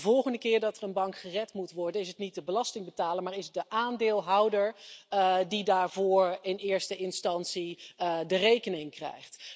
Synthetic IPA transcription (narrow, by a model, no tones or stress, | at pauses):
vɔlˠχəndəkɪːɹdɑtərənbɑŋkχərɛtmutʋɔɹdənɪsətnit̚dəbəlɑstɪŋbətaːlənmaːɹɪsət̚dəʔaːndɪːlˠɦʌwdəɹ | didaːɹvʊːɹɪnɪːɹstəɪnstɑnsidərejkənɪŋkrɛ̰jχt